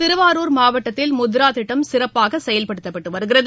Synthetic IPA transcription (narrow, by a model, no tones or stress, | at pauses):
t̪ɪɾɯʋaːɾoːɾmaːʋɐʈːɐt̪ːɪlmʊðɪɾaːt̪ɪʈːɐmsɪɾɐpːaːɣɐsɛjɐlpɐɽɯt̪ːɐpːɐʈːɯʋɐɾɯɣɪrɐðɯ